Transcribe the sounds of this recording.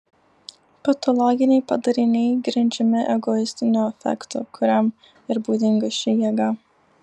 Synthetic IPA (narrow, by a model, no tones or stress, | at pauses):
pɐt̪ɔlˠɔɡʲɪnʲɛɪpɐd̪ɐɾʲɪnʲɛɪɡɾʲɪnʲd͡ʒʲɛmʲɪʔɛɡɔɪsʲt̪ʲɪnʲuɛfʲɛ̰kt̪ṵːkʰʊɾʲɛm | ɪɾbuːd̪ʲɪŋɡɐʃʲɪjiɛɡɑ